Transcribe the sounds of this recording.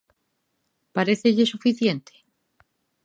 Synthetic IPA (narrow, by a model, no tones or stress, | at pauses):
paɾeθeʎesufiθjent̪ʰe̥